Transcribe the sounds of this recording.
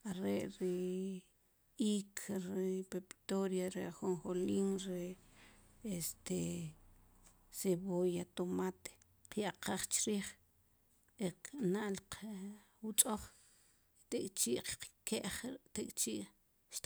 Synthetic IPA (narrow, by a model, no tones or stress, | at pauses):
aɾeʔɾi | ikʰɾipepʼi̥t̪oɾjaɾeχunχoliːŋɾe | est̪e | seβojat̪omat̪e̥ | qjaʔqʰaːχt͡ʃɾiːχ | eqnaʔlq | wut͡ʃʼoχ | t̪ekʼt͡ʃiːʔqqkeʔχt̪ekʼt͡ʃiːʔ | ʃ